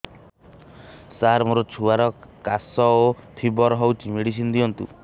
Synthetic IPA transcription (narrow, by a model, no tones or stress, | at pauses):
saɾmoɾot͡ʃʰuaɾɔkasɔot̪ʰibɔɾɔɦɔwt͡ʃimeɽis̬ind̪iɔnt̪ṵ